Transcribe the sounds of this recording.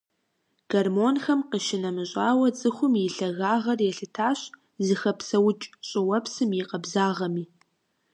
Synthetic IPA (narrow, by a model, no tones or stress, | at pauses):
ɡ̥ɐrmoːnxɐmqəʃɪnɐmɨɕʼaːwɐt͡sʼɨxʷʊmjɪɬɐɣaːʁɐrjɛɬɨtʰaːɕ | zɨxɐpsɐwʊt͡ʃʼɕʼɪwɐpsɨmjɪqɐbzaːʁɐmiː